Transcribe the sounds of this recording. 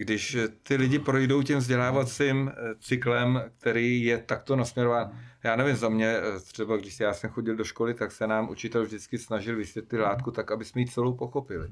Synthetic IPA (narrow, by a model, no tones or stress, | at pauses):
ɡdɪʃt̪ɪlɪɟɪpɾo̞jdo̞wcimvzɟɛlaːvat͡simt͡sɪklɛmk̚t̪ɛɾiːjɛt̪akt̪o̞nasmɲɛɾo̞vaːnjaːnɛvɪmzamɲɛt̪r̝̥ɛbaɡdɪʃsɪjaːsɛmxo̞ɟɪldo̞ʃko̞lɪt̪aksɛnaːmʔṵt͡ʃɪt̪ɛlvʒdɪt͡skɪsnaʒɪlvɪsvjɛt̪lɪt̪laːt̪̚kut̪akabɪsmɛjiːt͡sɛlowpo̞xo̞pɪlɪ̰